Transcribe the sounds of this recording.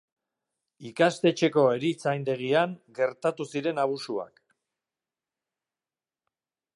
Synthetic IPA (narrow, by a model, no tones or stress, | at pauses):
ikast̪e̞t͡ʃe̞ko̞e̞ɾit͡sajnd̪e̞ɣ̞iaŋɡe̞ɾt̪at̪usiɾe̞naβ̞usua̰k